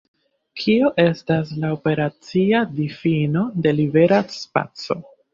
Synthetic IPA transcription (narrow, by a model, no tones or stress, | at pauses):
kʰio̞ʔe̞staslaope̞ɾat͡siadifino̞de̞libe̞ɾaspa̰t͡so̞